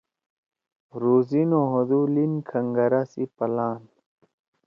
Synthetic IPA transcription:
ɾuːzinoɦod̪ulinkʰɐŋɡɐɾasipɐlaːn

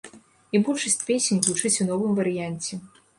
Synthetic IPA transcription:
ibulʲʂɐsʲt͡sʲpʲesʲenʲvut͡ʂɨt͡sʲunɔvɨmvɐɾɨjanʲt͡sʲɛ

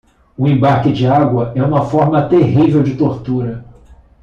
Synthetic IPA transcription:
ʊẽbaɾkɪd͡ʒɪaɡwɐʔɛũmɐfɔɾmɐt̪eɦivewd͡ʒɪt̪oɾt̪uɾɐ

